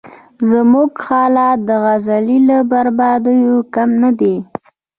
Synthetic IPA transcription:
zəmuɡxɑlɑd̪əɣazalilabaɾbɑd̪əjokamnad̪e

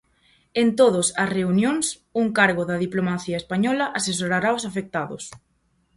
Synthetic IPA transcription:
ent̪oð̞ʊsɐsreunjõŋs | uŋkaɾɣʊðɐðiplomaθiɐespaɲɔlɐʔases̬oɾaɾaosafek̚t̪aðʊ̰s

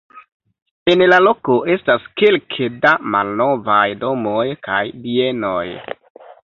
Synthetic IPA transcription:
e̞nlalo̞ko̞ʔe̞staskelkʰedama̰lno̞vajdo̞mojkajbie̞no̰j

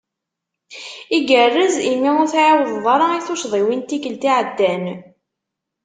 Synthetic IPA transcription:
iɡərːəzimiʊɾθʕawðˤðˤɑɾˤɑiθʊʃðˤiwint̪ikəlt̪iʕəd̪ːæn

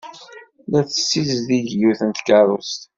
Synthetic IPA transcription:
læθəsːizðiʝjuθənt̪kərˤust̪

